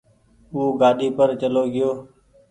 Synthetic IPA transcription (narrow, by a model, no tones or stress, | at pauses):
uːɡaːɗiːpəɾt͡ʃəloːɡɪjoː